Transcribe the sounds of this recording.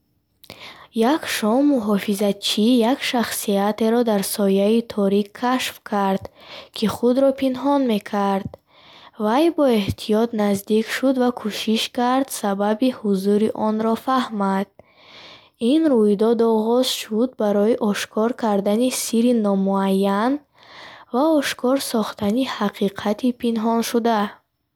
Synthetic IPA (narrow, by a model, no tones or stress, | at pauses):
jakʃɔmːuɦɔfizat͡ʃʰijakʃaχsiat̪eɾɔd̪aɾsɔjait̪ʰɔɾikʰːaʃfkʰaɾd̪̥kʰiχud̪ɾɔpʰinɦɔnme̞kʰaɾd̪̚ | vajbɔe̞ht̪ʰijɔt̪nazd̪ikʃud̪vakʰuʃiʃkaɾd̪sababihuzuɾiʔɔnɾɔfahmad̪̥̚ | inɾujd̪ɔd̪ɔʁɔz̥ʃud̪̚baɾɔiʔɔʃkʰɔɾkʰaɾd̪anisiɾinɔmuajːan | vaɔʃkʰɔɾsɔχt̪ʰanihaqʰiqʰat̪ʰipʰinɦɔnʃud̪a